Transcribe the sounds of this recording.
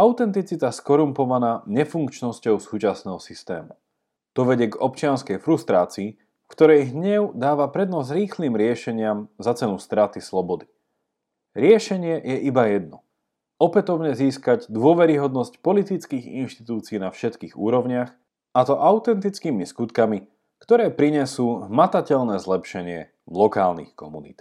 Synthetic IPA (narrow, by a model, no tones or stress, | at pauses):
aʊt̪ɛnt̪it͡sit̪askɔɾumpɔʋanaːɲɛfuŋkt͡ʃnɔscɔʊsuːt͡ʃasnɛːɦɔsist̪ɛ̰ːmu | t̪ɔʋɛɟɛɡɔpt͡ʃɪanskɛjfɾust̪ɾaːt͡siː | kt̪ɔɾɛjɦɲɛʊd̪aːʋapɾɛd̪nɔzɾiːxliːmɾɪɛʃɛɲɪamzat͡sɛnust̪ɾat̪islɔbɔd̪i̥ | ɾɪɛʃɛɲɪɛjɛʔibajɛd̪̚nɔ | ɔpɛt̪ɔʊɲɛziːskaɟd̪ʊɔʋɛɾiɦɔd̪nɔscpɔlit̪it͡skiːɣḭnʃt̪i̥t̪uːt͡siːnafʃɛt̪kiːɣuːɾɔʊɲɪax | at̪ɔʔaʊt̪ɛnt̪it͡skiːmiskut̪kami | kt̪ɔɾɛːpɾiɲɛsuːɦmat̪acɛʎnɛːzlɛpʃɛɲɪɛ̰ | lɔkaːlnḭxkɔmunḭt̪